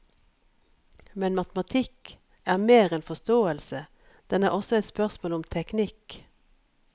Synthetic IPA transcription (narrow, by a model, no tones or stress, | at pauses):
mɛnmɑt̪mɑt̪ʰɪk | æːʁmeːʁɛːnfɔst̪oːəlsə | d̪̥ɛnæːʁʔɔsɔɛɪt̪spœʁsmoːlʊmt̪ʰɛknɪk